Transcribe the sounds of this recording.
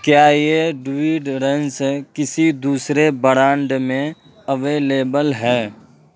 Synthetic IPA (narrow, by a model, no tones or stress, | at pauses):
kjaːjeɖwiːɖɾẽnskɪsid̪uːsɾebəɾãːɳɖmẽ | əʋeːleːbəlɦɛː